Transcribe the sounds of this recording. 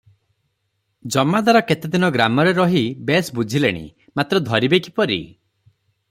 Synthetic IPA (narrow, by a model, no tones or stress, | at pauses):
d͡ʒɔmːad̪aɾɔket̪ed̪inɔɡɾamɔɾeɾɔɦibesbud͡ʒʱileɽ̃ḭ | mat̪ɾɔd̪ʱɔɾibekʰipɔɾḭ